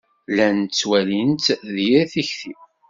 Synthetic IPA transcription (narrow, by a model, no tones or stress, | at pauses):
lænt͡sːwælint̪ðjiɾθiçθi